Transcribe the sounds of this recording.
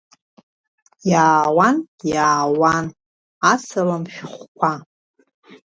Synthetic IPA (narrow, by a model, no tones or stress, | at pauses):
jaːwan | jaːwan | asʰalamʃᶣχʷkʷʰa